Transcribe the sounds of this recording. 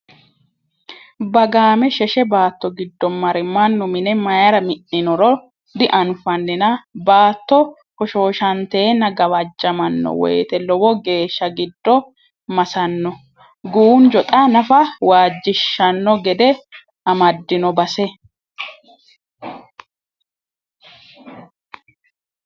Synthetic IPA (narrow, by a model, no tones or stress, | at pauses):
bɐɡaːmɛʃɛʃɛbaːt̪ːɔɡɪd̪ːɔmːɐɾɪmːɐnːʊmɪnɛmɐjɐɾɐmɪʔːɪnɔɾɔ | d̪ɪʔɐnfɐnːɪnɐbaːt̪ːɔ | hɔʃo̞ːʃɐnt̪eːnɐɡɐwɐd͡ʒːɐmɐnːɔ̰wɔ̰jt̪ɛlɔwɔɡe̞ːʃːɐɡɪd̪ːɔ | mɐsɐnːɔ | ɡuːnd͡ʒɔt̪ʼanɐfɐwaːd͡ʒːɪʃːɐnːɔɡɛd̪ɛ | ʔɐmɐd̪ːɪnɔbɐsɛ